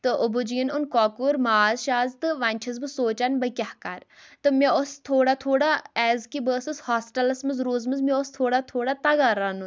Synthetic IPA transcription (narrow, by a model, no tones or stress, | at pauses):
t̪ɨʔobud͡ʒinunkɔːkuːɾmaːzʃaːzt̪ɨʋanʲt͡ʃʰɐzbɨsoːt͡ʃanbɐkʲahkaɾt̪ɨmʲeost̪ʰoːɽaːt̪ʰoːɽaːɛːzkibəːsɨshaːsʈɐlɐsmɐnzɾoːzmɐnzmeost̪ʰoːɽaːt̪ʰoːɽat̪ɐɡaːɾaːnu